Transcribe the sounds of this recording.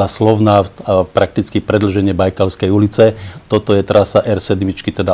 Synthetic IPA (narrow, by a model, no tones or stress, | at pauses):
aslɔʊnaːpɾʔak̚t̪it͡skipɾɛd̪l̩ʒɛɲɪɛbajkalʊskɛjulit͡sɛt̪ɔt̪ɔjɛt̪ɾasaʔɛɾsɛd̪mit͡ʃkit̪ɛd̪a